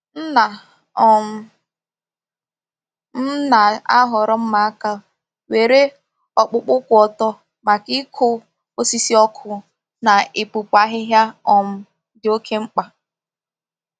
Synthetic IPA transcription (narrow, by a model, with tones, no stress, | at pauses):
n̩˦na˨˦ | m̩˦na˨a˦ɦɔ˨ɾɔ˦m̩˦ma˨a˦ka˦ | we˨ɾe˦ | ɔ˨k͡pʊ˦k͡pʊ˦kʷʊ˨ɔ˨tɔ˦ | ma˨kɪ˦kʰʊ˦ | o˦si˦si˦ɔ˦kʰʊ˨ | na˨ɪ˨pu˨pʷa˦ɦɪ˦ɦja˦ɔ˨m̩˦ | dɪ˨o˦kʰe˦ŋ͡m̩˦k͡pa˨